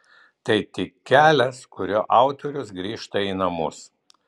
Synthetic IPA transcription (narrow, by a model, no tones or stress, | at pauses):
t̪ɐɪt̪ʲɪkʲkʲːæːlʲɛskʊɾʲoːʔɑˑʊt̪ɔɾʲʊsɡɾʲiːʃt̪ɐiːnɐmʊ̰s